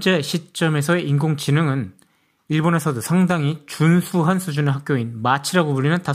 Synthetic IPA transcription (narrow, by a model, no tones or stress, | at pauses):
t͡ɕ͈e̞ɕʰit͡ɕ͈ʌme̞sʰʌeʔinɡoŋt͡ɕinɯŋɯn | iɭbone̞sʰʌdosʰaŋdaŋit͡ɕunsʰuɦansʰud͡ʑuneɭɦak͈joinmat͡ɕʰiɾaɡopuɭːinɯnta